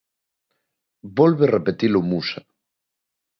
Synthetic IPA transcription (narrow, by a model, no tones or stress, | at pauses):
bolβerepet̪ilomusa